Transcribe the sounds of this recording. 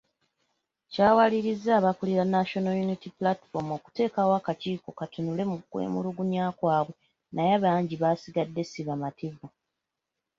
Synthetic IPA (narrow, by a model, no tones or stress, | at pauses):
caːwaliɾizaːβakuliɾanːaʃo̞nojunitiplatfo̞moku̥te̞ːkawakaciːko̞katunule̞mukwḛːmuluɡuɲaːkwaːβwe̞ | najaβaːɲɟiβasiɡadːe̞siβamativu